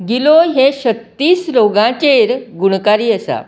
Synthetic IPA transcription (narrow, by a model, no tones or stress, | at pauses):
ɡiloɦeɕət̪ːiːsɾoɡãt͡ɕeɾɡuɽkaɾiːəsa̰